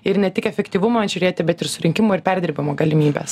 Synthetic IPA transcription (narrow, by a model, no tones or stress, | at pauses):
ɪɾnʲɛt̪ʲɪkɛfʲɛkt̪ʲiːʋʊmɐɐnʲʒʲʊɾʲeːt̪ʲɪbʲɛt̪ɪɾsʊɾʲɪŋʲkʲɪmoːɪɾpʲɛɾʲd̪ʲɪɾʲbʲɪmoːɡɐlʲɪmʲiːbʲḛːs